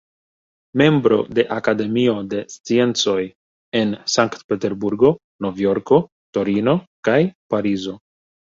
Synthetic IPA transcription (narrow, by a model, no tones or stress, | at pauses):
me̞mbɾo̞̰de̞ʔakade̞mio̞de̞st͡sie̞nt͡so̞j | e̞nsaŋktpe̞te̞ɾbuɾɡo̞ | no̞vjo̞ɾko̞ | to̞ɾino̞kajpaɾizo̞